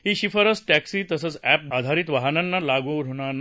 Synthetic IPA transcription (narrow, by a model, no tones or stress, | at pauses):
ɦiɕifəɾət͡sʈɛksiːt̪əsət͡sɛp̚ad̪ʱaɾit̪ʋaɦənanːalaɡuɾ̤ʱoɳ̃an